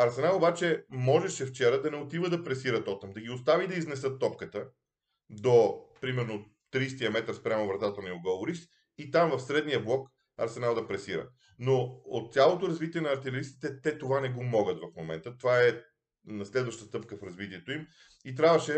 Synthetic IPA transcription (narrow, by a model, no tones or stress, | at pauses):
ɐɾsɛnalˠobat͡ʃɛmɔʒɛʃɛft͡ʃɛɾəd̪ɐnɛot̪ivəd̪ɐpɾɛsiɾət̪ɔt̪əmd̪ɐɡʲiost̪avid̪ɐiznɛsɤt̪ːɔpkət̪ə | d̪opɾimɛɾno | t̪ɾist̪iəmɛt̪ɾspɾʲjamovɾɐt̪at̪ənioɡoʊɾist̪ | it̪amvɐfsɾɛd̪nijəblˠɔk | ɐɾsɛnalˠd̪ɐpɾɛsiɾə̰ | noot̪̚ːsʲjalˠot̪oɾɐzvit̪iɛnɐːɾt̪ɛlɛɾist̪i̥t̪ɛt̪ɛt̪ovanɛɡomɔɡət̪vɐfmomɛ̰nt̪ət̪ovaɛ | nɐslɛd̪vɐʃt̪əst̪ɤpkəfɾɐzvit̪iɛt̪oim | it̪̬ɾʲavvəʃɛ